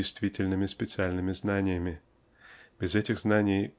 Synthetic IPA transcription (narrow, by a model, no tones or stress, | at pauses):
ɪjst̪vʲitʲɪlʲnɨmʲɪspʲɪt̪sɨalʲnɨmʲɪznanʲɪjəmʲɪ | bʲɪzɛtʲɪɣznanʲɪj